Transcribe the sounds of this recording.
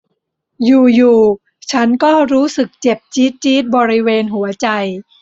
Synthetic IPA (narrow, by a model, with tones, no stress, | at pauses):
juː˨˩juː˨˩ | t͡ɕʰa˦˥nkɔː˥˩ɾuː˦˥sɯ˨˩k̚t͡ɕe˨˩p̚t͡ɕiː˦˥t̪̚t͡ɕiː˦˥t̪̚bɔː˧ɾi˦˥weː˧nɦu˩˦ɐt͡ɕa˧j